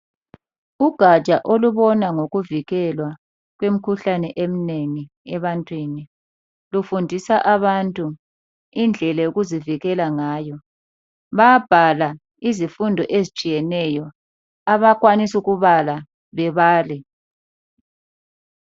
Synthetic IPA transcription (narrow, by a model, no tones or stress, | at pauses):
uɡ̥ʱḁt͡ʃʼaʔoluβɔnaŋoɣuviɣɛlwa | ɣwem̩kʰuɬanɛʔem̩neŋi | ɛβantʼwini | lufundʱisaʔaβantʼu | ind͡ɮʱɛlajoɣuziviɣɛlaŋaːjɔ | βaab̥ʱala | izifundʱɔ̰ʔezit͡ʃʼijɛnɛjɔ | aβakwanisuɣuβala | βɛβaːli